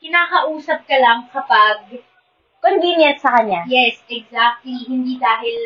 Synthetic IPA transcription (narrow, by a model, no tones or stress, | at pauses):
kɪnaːkɐʔuːsɐp̚kɐlɐŋkɐpɐɡ̚ | konɡinjɛt̪̚sɐkɐɲːajɛsɛɡzak̚t̪lihɪnd̪iːd̪aːɦɪl